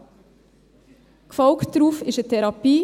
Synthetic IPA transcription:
kʰfɔʊkt̪ɾuːfɪʃət̪ʰɛɾɑpiː

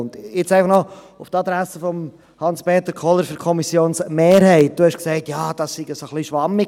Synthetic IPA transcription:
ʊndjɪt͡sɛɪfɑχnɔ | ʊftɑd̪ɾæsəfɔm | hɑnspeːt̪əɾkʰɔləɾføɾkʰɔmisjoːnsmeːɾhɛɪt̚d̥uhɛʃksɛɪtjɑːd̥ɑssiɡ̥əsoχliʃʋɑmːɪ

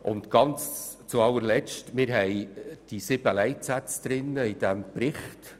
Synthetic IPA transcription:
ʔʊ̰nt̪ɡ̥ɑnt͡st͡suɑlːəɾlɛt͡ʃtmɪɾɦɛjd̥isɪb̥əlɛɪtsæt͡sd̪̥ɾɪnːəɪd̥̪æmpɾɪχt

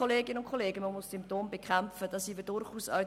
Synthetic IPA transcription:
oleːɡɪnəʊntkʰoleːɡəməmʊssʏmptoːmbekʰɛmfəd̥ɑsiːvədʊɾχuːsœ

